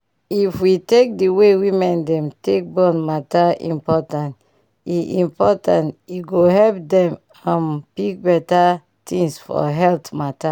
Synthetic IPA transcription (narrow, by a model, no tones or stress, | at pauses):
ifwitek̚diwewĩmɛ̃ndɛ̃mtek̚bɔ̃nmataḭ̃mpɔtãnt | iʔĩmpɔtãntiɡoɦɛlp̚dɛ̃m | ãnpik̚bɛta | tʰĩŋsfɔ̰ɦɛltmata